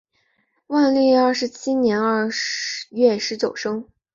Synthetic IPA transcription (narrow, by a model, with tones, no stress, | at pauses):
wa˥˧nli˥˧ɐ˞˥˩ʂɻ̩˧˥t͡ɕʰi˥njɛ˧˥nɐ˥˧˩ | ɥɛ˥˩ʂɻ̩˧˥t͡ɕjo˨˩ʊʂɤ˥ŋ